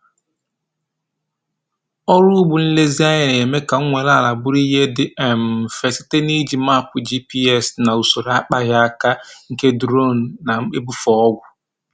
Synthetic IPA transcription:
ɔ˦ɾʊ˦ɡ͡bʊ˨n̩˦le˦zi˦a˦je˨ɾje˨me˦ka˨˦ŋʷe˨la˦˨la˨bʊ˦ɾi˦ɦe˦dɪ˦e˨m̩˨fe˨sɪ̥˦te˦ni˦d͡ʒi˨ma˦˨kʷʊ˨d͡ʒi˦pi˦ɛ˦˨sna˨u˨so˨ɾa˦k͡pa˦ɣja˦a˦ka˦ŋ̩˦ke˦dɾo˦˨n̩˨na˨m̩˦k͡pe˦bu˦fɔ˦ɔ˦ɡʷʊ˨

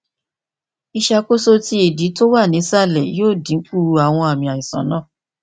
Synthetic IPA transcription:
i˧ʃa˧ko˦so˦ti˦i˨di˨˦to˦wa˦˨nĩ˨˦sa˦˨lɛ˨joː˦˨dĩ˨˦ŋ̩˦k͡pu˦˨u˧a˨w̃ɔ̃˧a˨mĩ˧˨a˨i˨sã̰˨˦nã˦˨

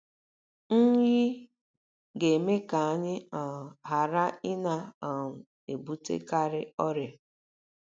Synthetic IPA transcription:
n̩˦ji˦ | ɡe˨me˦ka˨a˦ɲɪ˦a˨ɦa˨ɾa˦ɪ˦na˦a˨m̩˨ | e˨bu˦tḛ˦ka˦ɾɪ˦ɔ˦ɾja˨

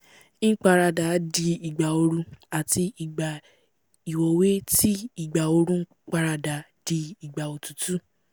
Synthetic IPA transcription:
k͡pa˧ɾa˧da˨˦di˧i˨ɡ͡ba˨o˧ɾũ˧a˨ti˧i˨ɡ͡ba˨ | i˨wo˨˧we˦ti˦i˨ɡ͡ba˨o˧ɾũ˦k͡pa˧ɾa˧da˨˦ | d̥i˧i˨ɡ͡ba˨o˨tu˨tu˦

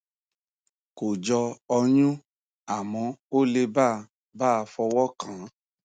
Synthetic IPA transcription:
ko˨d͡ʒɔ˧ɔ˧ɲũ˦ | a˨mɔ̃˧o˦le˧ba˦˨ | ba˦a˧fɔ˧wɔ˦kã˨˦

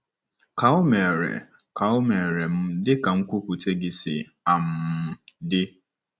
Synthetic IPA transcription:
ka˨ʊ˦me˨ɾḛ˨ | ka˨ʊ˦me˨ɾe˨m̩˦dɪ˦ka˨ŋ̩˦kʷʊ˦kʷu˨te˦ɡɪ˦sɪ̰˨ | a˨m̩˨dɪ˦

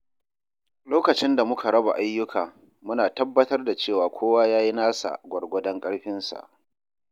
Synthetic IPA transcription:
loː˦kɐ˨t͡ʃɪ˦nda˨mʊ˦kʰa˨ɽɐ˦ba̰˨ʔa˦jːʊ˦kʰaː˨ | mʊ˦naː˨tɐ˦bːɐ˦tɐ˦rda˨t͡ʃeː˦˨waː˨kʷʰoː˦waː˦jaː˦ji˦naː˦sa̰˨ɡʷɐ˨ɽɡʷɔ˦dɐ˦ŋkʼɐ˦ɽɸɪ˦nsa̰˨ʔ

